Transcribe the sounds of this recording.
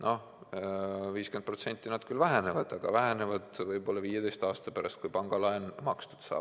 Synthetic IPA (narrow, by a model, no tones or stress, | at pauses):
nʔo̞h | viːskend̪̥̚pro̞t̪se̞nʲt̪ːˑinɑd̪̥kylvæɦene̞vɑd̪̥ɑɡ̥ɑvæɦenevɑd̪̥vɤjbo̞lːɑviːje̞d̪e̞jst̪ɑːst̪ɑpæɾɑ̰st̪̚kujpɑŋɡ̥ɑlɑenmɑkst̪u̥d̪̥sɑ̰ːb